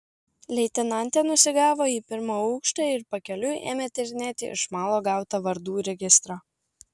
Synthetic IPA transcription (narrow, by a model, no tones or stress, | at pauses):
lʲɛɪt̪ʲɪnɐnʲt̪ʲɛːnʊsʲɪɡɑːʋoːiːpʲɪɾmoːɔʊkʃt̪ɑɪɾpɐkʲɛlʲuḛːmʲet̪ʲɛɾʲnʲɛt̪ʲɪ̰ʔɪ̰ʃmɑːlˠoːɡɑˑʊt̪ɐʋɐɾd̪uːɾʲɛɡʲɪst̪ɾoː